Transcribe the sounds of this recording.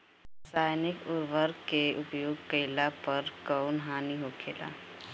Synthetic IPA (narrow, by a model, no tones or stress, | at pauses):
saːjnɪkʊɾʋəɾkeʊpjoːɡkəɪlapəɾkəʊnɦaːniɦokʰeːla̰